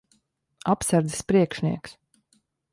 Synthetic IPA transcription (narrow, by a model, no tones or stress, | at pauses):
apsaɾd̪zɛspɾiɛkʃnʲiɛks